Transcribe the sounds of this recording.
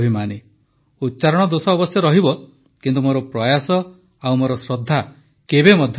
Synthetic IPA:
ɦimane | ut̪ːt͡ʃaɾɔɽ̃ɔd̪osɔːbɔsjɔɾɔɦibɔ | kint̪umoɾɔpɾɔjasɔ | awmoɾɔsɾɔd̪ʱːa | kebemɔd̪ʱ

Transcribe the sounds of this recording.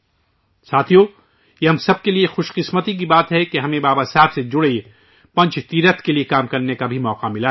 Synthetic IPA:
saːt̪ʰijo | jeɦɐmsɐb̚keliexʊʃqɪsmət̪ik̬ibaːt̪ɦɛkeɦɐmẽbaːbasɛɦɛbsed͡ʒʊɽe | pɐ̃ɲt͡ʃʰt̪iːɾət̪keliekaːmkɐɾnekabʱimɔːqamɪla

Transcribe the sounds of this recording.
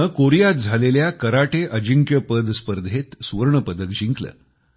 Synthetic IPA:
əkoɾijat̪̚d͡zʱaleljakəɾaʈeʔəd͡ʑiŋkjəpəd̪spəɾd̪ʱet̪sʋəɾɳəpəd̪ək̚d͡ʑiŋklə̰

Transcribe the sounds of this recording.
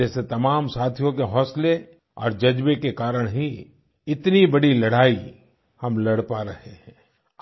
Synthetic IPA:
ɛːset̪ɐmaːmsaːt̪ʰijõkeɦɔːsle | ɔ̰ːɾd͡ʒɐd͡ʒbekekaːɾəɽ̃ɦi | ɪt̪nibɐɽilɐɽ̤aːi | hɐmlɐɽpaɾɐɦeɦɛ̃ː

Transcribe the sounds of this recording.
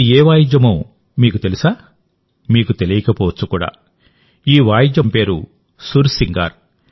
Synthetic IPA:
eːʋaːjid͡ʒɐmoː | miːkut̪e̞lisaː | miːkut̪e̞lijɐkɐpɔːʋɐt͡sːukuːɽa̰ː | iːʋaːjid͡ʒɐmpe̞ːɾu | suɾsiŋɡa̰ːɾ

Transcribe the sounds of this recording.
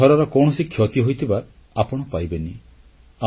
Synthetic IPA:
ɔɾɔɾɔkɔwɽ̃ɔsikʰjɔt̪iɦojt̪ʰiba | apɔɽ̃ɔpajbeni | a

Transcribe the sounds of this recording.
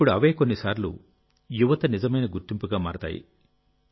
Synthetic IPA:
pːuɽuɐʋe̞ːkonːisaːɾlṵ | juʋɐt̪ɐnizɐmɐjnɐɡuɾt̪impuɡaːmaːɾt̪a̰ːjḭ

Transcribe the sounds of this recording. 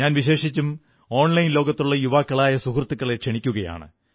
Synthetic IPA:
ɲaːnʋiɕe̞ːʂit͡ɕːum | o̞ːɳlɐjinlo̞ːɡɐt̪ːuɭːɐjuʋaːkːɐɭaːjɐsuhrɐt̪ːukːɐɭekʂeɳikʲːuɣɐja̰ːɳɨ̰

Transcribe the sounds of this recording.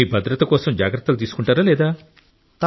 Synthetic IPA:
iːbʱɐd̪ɾɐt̪ɐkɔːsɐmd͡ʒaːɡɾɐt̪ːɐlut̪̬iːsu̥kuɳʈaːɾaːlɛːd̪aː | t̪ɐ

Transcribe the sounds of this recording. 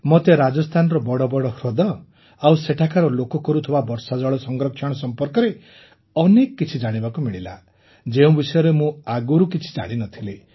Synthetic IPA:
mɔt̪eɾad͡ʒɔst̪ʰanɔɾɔbɔɽɔbɔɽɔhɾɔd̪ɔ | awseʈʰakaɾɔlokɔkɔɾut̪ʰɔbabɔɾsad͡ʒɔɭɔsɔŋɡɾɔkʰːjɔɽ̃ɔsɔmpɔɾkɔɾe | ɔnekɔkːit͡ʃʰid͡ʒaɽ̃ibakumiɭila̰ | d͡ʒeũbisɔjɔɾemũaɡuɾukit͡ʃʰi̥d͡ʒa̰ɽ̃inɔt̪ʰile

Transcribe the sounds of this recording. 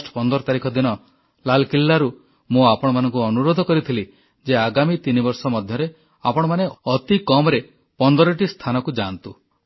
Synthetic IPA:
sʈɔ̥pɔnd̪ɔɾɔt̪aɾikʰɔd̪inɔ | lalkilːaɾu | mũapɔɽ̃ɔmanɔŋkuɔnuɾod̪ʱɔkɔɾit̪ʰili | d͡ʒeaɡamit̪inibɔɾsɔmɔd̪ʱjɔɾe | apɔɽ̃ɔmaneʔɔt̪ikɔmɔɾe | pɔnd̪ɔɾɔʈist̪ʰanɔkud͡ʒant̪u

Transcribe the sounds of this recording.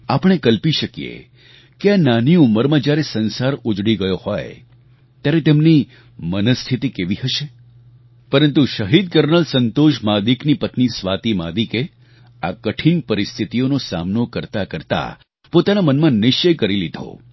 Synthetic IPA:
apəɳ̃ekəlpiʃəkijḛ | keananiuməɾmãd͡ʒjaɾesənsaɾʊd͡ʒɽiɡəjoho̰j | t̪jaɾet̪emni | mənəst̪ʰit̪ikeʋiɦəʃe | pəɾənt̪uʃəɦid̪̚kəɾnəlsənt̪oʃmad̪iknipət̪nisʋat̪ima̰d̪ike | a̰kəʈʰinpəɾist̪ʰit̪ijonosa̰mnokəɾt̪akəɾt̪a̰ | pot̪anamənmãnɪʃt͡ʃəjkəɾilid̪ʱo̰

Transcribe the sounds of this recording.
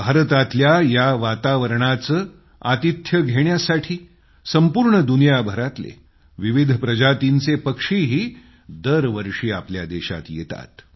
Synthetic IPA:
bʱaɾt̪at̪ljajaʋat̪aʋəɾɳat͡səː | at̪it̪ʰjəɡʱeɳjasaʈʰiː | səmpuːɾɳəd̪unijabʱəɾat̪lḛ | ʋiʋid̪ʱəpɾəd͡ʑat̪int͡sepəkʂiɦiː | d̪əɾʋəɾʂiːaplja̰d̪eɕa̰t̪jḛt̪a̰t̪

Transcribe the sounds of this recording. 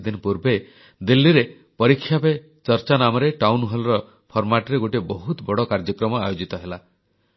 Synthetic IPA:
d̪inɔpuɾbe | d̪ilːiɾe | pɔɾikʰːjape | t͡ʃɔɾt͡ʃanamɔɾeʈawnɦɔlɔɾɔ | pʰɔɾmaʈɔɾeɡoʈibɔɦut̪bɔɽɔkaɾd͡ʒɔkɾɔmɔa̰jod͡ʒit̪ɔɦela

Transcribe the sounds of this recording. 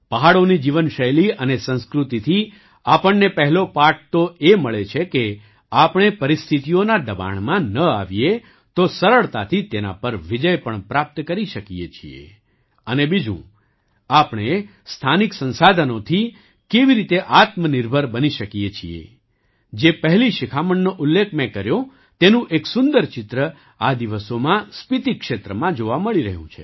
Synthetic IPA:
pəɦaɭonid͡ʒiʋənʃəjliʔənesə̃nskɾut̪it̪ʰi | apəɳnepəɦɛlopaʈ̚t̪oeməɭet͡ʃʰeke | apɳ̃epəɾɪst̪ʰit̪ijonad̪əba̰ɳmãnəaʋije | t̪osəɾəɭt̪a̰t̪ʰit̪ena̰pəɾʋid͡ʒəjpəɳpɾap̚t̪kəɾiʃəkijḛt͡ʃʰḭḛ | ənebid͡ʒṵ̃ | apɳ̃e | st̪ʰaniksə̃nsad̪ʱənot̪ʰi | keʋiɾit̪eʔat̪mənɪɾbʱəɾbəniʃəkijet͡ʃʰiḛ | d͡ʒepəɦliʃɪkʰaməɳːoʔʊlːek̚ʰmẽkəɾjõ | t̪enũʔeksʊnd̪əɾt͡ʃɪt̪ɾə | ad̪iʋəsomãspit̪ikʃet̪ɾəmãd͡ʒoʋaməɭiɾəɦṵ̃t͡ʃʰḛ

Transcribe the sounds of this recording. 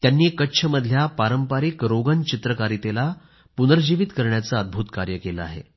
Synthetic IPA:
t̪janːiːkətːɕʰəməd̪ʱːjapaɾəmpaɾikɾoɡənt͡ɕit̪ɾəkaɾit̪ela | punəɾd͡ʑiʋit̪kəɾɳjat͡saəd̪̚bʱut̪kaɾjəkeləa̰ɦḛ

